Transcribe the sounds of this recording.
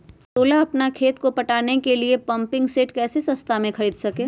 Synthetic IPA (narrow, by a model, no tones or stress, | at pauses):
t̪oːlaɐpnakʰeːt̪kopɐʈaːnekeliepɐ̃mpɪ̃ŋɡseːʈkɛːsesɐst̪ʰamẽkɐɽiːd̪sɐkẽː